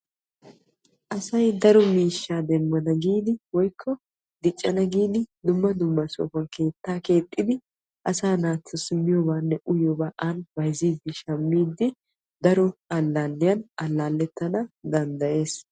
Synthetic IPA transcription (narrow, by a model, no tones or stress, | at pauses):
ʔɐsɐjd̪ɐɾɔmiːʃːaːd̪ɛmːɐnɐɡiːd̪ɪwɔjkʰːɔ | d̪ɪt͡ʃʼːɐnɐɡiːd̪ɪd̪ʊmːɐd̪ʊmːɐso̰fɐnkʰe̞ːt̪ːaːke̞ːt̪ʼːɪd̪ɪ | ʔɐsaːnaːt͡s̪ːɔsɪmːɪjoːbaːnːɛʔʊjoːbaːʔanbɐjziːd̪ːɪʃɐmːiːd̪ɪ | d̪ɐɾɔɐlːaːnːɪjɐnɐlːaːlːɛt̪ːɐnɐd̪ɐnd̪ɐje̞ːs